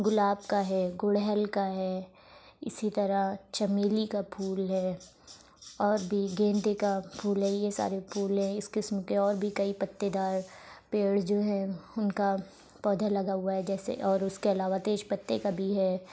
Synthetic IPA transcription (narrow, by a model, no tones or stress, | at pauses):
ɡʊlaːb̚kaɦɛːɡʊɽɦɛlkaɦɛː | ɪ̰sit̪ɐɾat͡ʃɐmeːlikapʰuːlɦɛː | ɔːɾbʱiɡẽːnd̪ekapʰuːlɦɛjesa̰ːɾepʰuːlɦɛ̃ɪskɪsmkeɔːɾbʱikɐipɐt̪ːed̪aːɾpeːɽd͡ʒoːɦɛ̃ʊnka | pɔːd̪ʱalɐɡaɦʊaɦɛd͡ʒɛːsḛʔɔːɾʊskeɐlaːʋat̪eːʃpɐt̪ːekabʱiɦɛː